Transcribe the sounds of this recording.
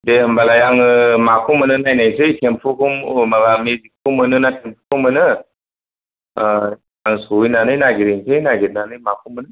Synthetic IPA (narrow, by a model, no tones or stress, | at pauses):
dehəmbalajaŋɯmakʰumɯnɯnajnajsɯjtʰempʰukʰummaɡamizikʰːumənɯnatʰempʰukʰumɯnɯ | aŋsojnanɯjnaɡiɾiŋsʰɯjnaɡit̚nanɯjmakʰumənɯ